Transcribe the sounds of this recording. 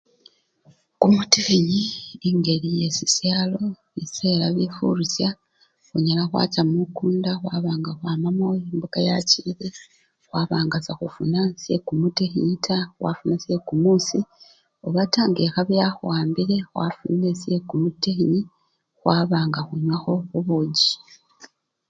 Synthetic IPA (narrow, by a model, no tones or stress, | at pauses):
kumutexiɲiːŋɡe̞ɾije̞sisjaːlo̞βise̞ːɾaβifṵɾusja | xoɲalaxwa̰ːcamukuːndaxwaːβaːŋɡaxwaːmamoembuɡajaciɾe | xwaβaːŋɡasaxufunasjekumutexitʰaxwa̰funasje̞kumusi | oβataːŋɡexaβjaxwaːmbiɾe̞xwa̰fṵnesje̞kumutexiɲi | xwaβaːŋɡaxuɲwaxo̞xuβuɟi̥